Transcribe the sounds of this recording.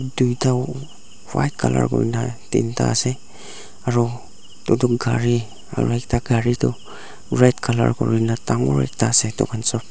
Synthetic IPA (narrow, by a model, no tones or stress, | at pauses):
dujtaw | wa̰jt̪̚kʰala̰ɹkɔ̰ḭnat̪ḭnt̪a̰se | aɾo | t̪udɔk̚ɡaɾi | a̰ɾajk̚t̪aɡaɾit̪ɔ | ɹajt̪kʰala̰ɹkɔ̰ɾujnat̪aŋɔ̰ɾa̰jk̚taset̪ɔkansɔp̚